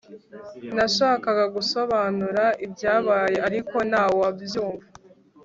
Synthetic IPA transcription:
naʃaːkaɡaɡuso̞βaːnuɾaʔibjaːβaːje̞ʔaɾiko̞naːwoabjuːɱva

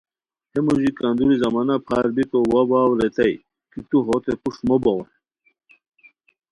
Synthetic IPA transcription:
hemuʑikand̪uɾizɐmanɐpʰaːɾbik̪owɐbaːwɾet̪ɐj | kit̪uɦot̪epuʂmobɐw

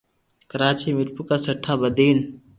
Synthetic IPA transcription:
kəɾaːt͡ʃiːmɪɾpukaːsəʈʰːaːbəd̪iːn

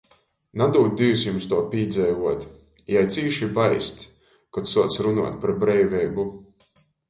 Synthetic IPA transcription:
nad̪uːt̪̚d̪ivusjumst̪uɔpʲiːd̪zɛjvuɔt̪ | jajt̪siːʃibajst̪ | kɔt̪suɔt̪sɾunṵɔːt̪ʲpɾɛbɾɛjvʲɛjbu

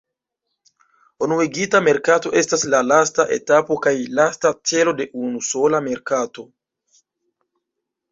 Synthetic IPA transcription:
onueɡitame̞ɾkato̞ʔe̞staslalastaʔe̞̰tapo̞kajlastat͡se̞lo̞de̞ʔunuso̞lame̞ɾkato̞

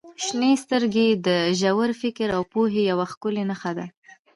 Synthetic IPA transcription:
ʃnest̪əɾɡed̪əʒawəɾfɪkɾawpoɦejawaxkʊlenaxad̪a

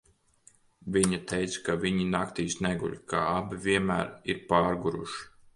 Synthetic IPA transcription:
viɲat̪ʰejt̪skaviɲinakt̪iːsnɛɡṵʎʲka̰ːabivʲiɛnmæ̰ːɾiɾpaːɾɡuɾṵʃi̥

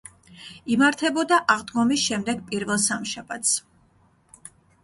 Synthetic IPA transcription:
imaɾt̪ʰɛbɔd̪aʔaʁd̪ɡɔmisʃɛmd̪ɛɡ̚pʼiɾvɛlˠsamʃabat̪ʰs

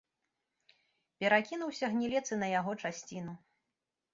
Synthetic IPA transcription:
pʲɛɾakʲinuwsʲɐɣnʲilʲɛt̪sɨnɐjaɣɔt͡ʂasʲt͡sʲinu

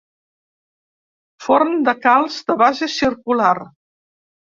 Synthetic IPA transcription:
fɔɾmd̪əkalˠzd̪əβazəsiɾkular

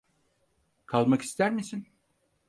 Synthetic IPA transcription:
kʰalˠmaki̥st̪ʰæɾmisin

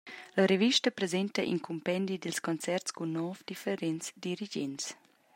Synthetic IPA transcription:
ləɾeviʃtəpɾezent̪əʔḭnkʰumpɛnd̪idilskɔnt͡sɛrtt͡skunːɔfd̪ifɛɾɛnt͡sdiɾid͡ʒɛ̰nt͡s

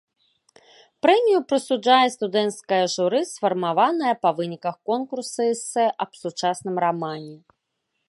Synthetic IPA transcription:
pɾɛmʲijupɾɨsud͡ʐajɛst̪ud̪ɛnt̪skɐjɐʐuɾɨsfɐrmavanɐjɐpɐvɨnʲikɐxkɔnkursɨɛsɛʔɐbsut͡ʂasnɨmramanʲɛ

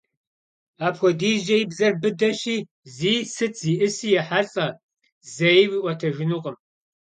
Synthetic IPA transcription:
aːpxʷɔdiːʑɐjibzɐrbɨdɐɕiː | ziːsɨt͡sʰz̥iːʔɨsiːjɛħaɬʼɐ | zɐjwiːʔʷɔtʰɐʒɪnuqʼəm

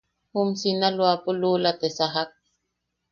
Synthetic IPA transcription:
humsinalwapɔlulat̪ɛsaɦak̚

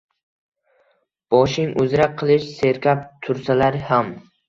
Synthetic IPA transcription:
b̥ɒʃɪŋʔʊzɾak̚qʰɨlˠɪʃse̞ɾkʲʰap̚t̪ʰʊɾsalaɾɪham

